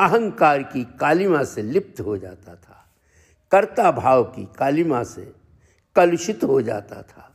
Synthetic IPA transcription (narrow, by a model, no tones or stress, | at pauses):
əɦə̃ŋkaːɾkikaːlɪmãselɪp̚t̪ɦod͡ʒa̰ːt̪at̪ʰaː | kəɾt̪abʱaːwkikaːlɪmãsḛ | kɐlʊʃɪt̪ɦod͡ʒa̰ːt̪a̰t̪ʰaː